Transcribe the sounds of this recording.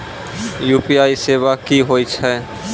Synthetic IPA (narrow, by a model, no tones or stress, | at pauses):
jupiaisebakiɦojt͡ʃʰɛ